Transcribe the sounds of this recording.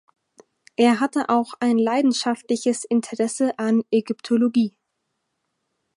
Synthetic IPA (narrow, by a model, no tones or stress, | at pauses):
ʔeːɐɦatəʔaʊxaɪnlaɪdn̩ʃaftlɪçəsʔɪntʰəʁɛsəʔaneɡʏptʰoloɡiː